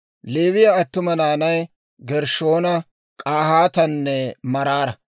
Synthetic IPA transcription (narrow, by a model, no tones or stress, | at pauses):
leːwɪjaːt̪ːʊmɐnaːnɐj | ɡɛɾʃo̞ːnɐ | kʼaːhaːt̪ɐnːɛmɐɾaːɾɐ